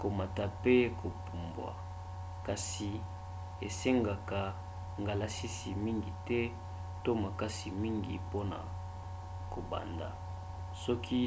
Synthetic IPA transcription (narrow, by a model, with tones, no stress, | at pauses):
ko˨ma˨ta˨pe˦kʰo˨pu˨mbwa̰˨ | ka˨si˨ | e˨se˦ŋɡa˨ka˨ | ŋɡa˨la˨˦si˦si˨mi˦ŋɡi˨tɛ˦ | to˦ma˨ka˦si˨mi˦ŋɡi˨po˦na̰˨ | ko˨ba̰˨nda̰˨ | sɔ˦kʰi˦